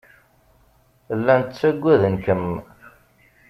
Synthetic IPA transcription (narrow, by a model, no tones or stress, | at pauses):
lːænt̪t͡sːæɡʷːæðənkəm